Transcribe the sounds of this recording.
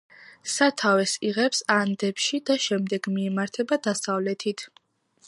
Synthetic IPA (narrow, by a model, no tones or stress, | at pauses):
sat̪ʰavɛsiʁɛpsand̪ɛpʃid̪aʃɛmd̪ɛɡmiɛmaɾt̪ʰɛbad̪asavlɛt̪ʰit̪ʰ